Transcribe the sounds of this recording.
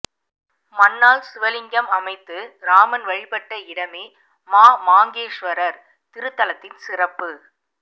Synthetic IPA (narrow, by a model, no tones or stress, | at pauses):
mɐnːaːlsʊʋɐlɪŋɡɐmɐmɐɪt̪ːɯɾaːmɐnʋɐɻɪpɐʈːɐɪɽɐmeː | maːmaːŋɡeːʂʋɐɾɐɾ | t̪ɪɾɯt̪ːɐlɐt̪ːɪnsɪrɐpːɯ